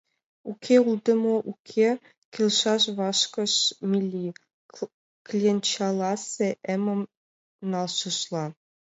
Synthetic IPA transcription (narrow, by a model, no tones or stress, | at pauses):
ukʲʰeulˠd̪ɤ̆moʔukʲʰe | kʲelʲʃɑʃβɑʃkɤ̆ʃmʲilʲːi | klʲient͡ɕɑlˠɑsʲeʔemɤ̆m | nɑlˠʃɤ̆ʃlˠɑ